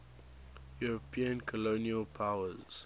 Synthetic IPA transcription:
juɹɔpʰiə̃nkʰɔloniəlpʰaʊəz

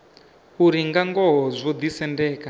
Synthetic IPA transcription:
uɾiŋɡaŋɡɔɦɔzʷɔd̪isɛndɛːka

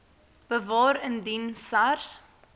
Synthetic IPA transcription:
b̥əvɑːɾəndinsɐrs

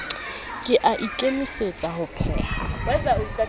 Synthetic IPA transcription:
kʼɪʔaʔikʼemɪset͡sʼahʊpʰɛ̰ːawɛzaʊitʼa

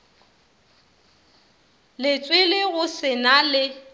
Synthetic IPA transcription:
lɪt͡sʼwɪlɪɣʊsɪnalɪ

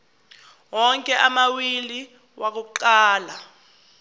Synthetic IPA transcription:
wɔŋkʼɛʔamawili | wʔak̬uǃaːla

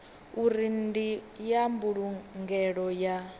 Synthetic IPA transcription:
uɾindijambuɺuŋɡɛɺɔja

